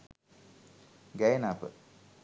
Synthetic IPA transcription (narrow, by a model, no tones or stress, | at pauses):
ɡɛjnaːpə̰